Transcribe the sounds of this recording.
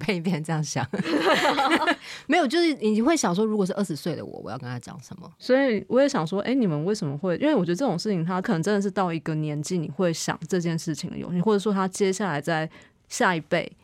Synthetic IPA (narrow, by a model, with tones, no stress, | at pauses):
pʰe˥˧ɪ˧p̪ʰjɛ˥˧˩nʈ͡ʂə˥˧jɑ˥˩ŋɕjɑ̰˨˩ŋ | me˧˥jt͡ɕo˥˧ʊʂɻ̩˥˩ni˨˩t͡ɕi˥xwe˥˩ɪɕjɑ˨˩ŋʂ̬wɔ˥ɻu˧˥kwɔ˨˩ʂɻ̩˥˩ʔə˥˩ʂɻ̩˧˥swe˥˩ɪd̪ə̰˨wɔ̰˨˩˦wɔ̰˨˦jɑ˥˧kə˦nt̪a˥t͡ɕjɑ̰˨˩˦ŋʂə˨˦nmə̰˦sɔ˧˥i˨wɔ˧˦jɛ˨˥ɕjɑ˨˩ŋʂwɔ˥ʔe˥˩ɪni˨˩mə˨˦nwe˥˩ɪʂə˧˦mə˦xwe˥˩ɪʔi˥nwe˥˩wt͡ɕɥd̪ə˧ʈ͡ʂɤ˥˩ʈ͡ʂʊ˨˩ŋʂɻ̩˥˩t͡ɕʰi˧˩ŋt̪ʰa˦˥kʰnə˧˦ŋʈ͡ʂə˧˥nd̪ə˨ʂɻ̩˥˧t̪ɑ˥˩ʊi˧˥ɡə˨njɛ˧˦nt͡ɕi˥˩ni˨˩xwe˥˩ɪɕjɑ̰˨˩ŋʈ͡ʂɤ˥˧t͡ɕjɛ˥˧nʂɻ̩˥˩t͡ɕʰḭ˨ŋd̪ə̰˨jo̰˨˦i˥wɔ˥˩ʈ͡ʂɤ˨˩ʂwɔ˥t̪ʰa˥t͡ɕjɛ˥ɕja˥˩la˧˦ɪt͡sa˥˧ɪ | ɕja˥˧i˧˥pe˥˩ɪ